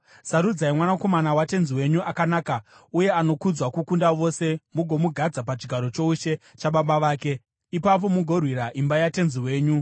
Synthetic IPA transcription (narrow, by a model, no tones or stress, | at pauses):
saɾud͡zaimwanako̞manawate̞nziwe̞ɲuʔakanaːkauje̞ano̞kud͡zwakukundaʋo̞se̞muɡʱo̞muɡʱad͡zap̬at͡ʃiɡʱaɾo̞t͡ʃo̞uʃe̞t͡ʃaɓaɓaʋaːke̞ | ipap̬o̞muɡʱo̞rwiɾaʔimbajate̞nziwe̞ːɲu